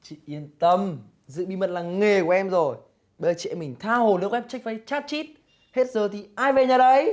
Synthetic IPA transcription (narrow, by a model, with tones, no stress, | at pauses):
t͡ɕḭ˧˨ʔi˧ənt̪ə˧m | zɨ̰˧˨ɓi˧mə˨˩t̚laː˨˩ŋe˨˩kwʔɛ˧mzo˨˩j | ɓə˧t͡ɕɛ̰˧˨mï˨˩ŋ̟t̪ʰaː˧ho˨˩lɨ˦˥əkʔɛ˦˥p̚t͡ɕa˦˥k̚faː˨˦jt͡ɕaː˦˥t̚t͡ɕi˦˥t̚ | he˦˥t̚zəː˨˩t̪ʰi˨˩ʔaː˧jve˨˩ɲaː˨˩ɗə˨˧˦j